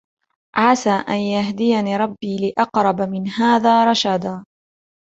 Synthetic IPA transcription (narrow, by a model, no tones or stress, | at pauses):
ʕasaːʔanjaɦd̪ɪjaniːɾˤɑbːiːlɪʔɑqɾˤɑbamɪnhaːðaːɾˤɑʃad̪aː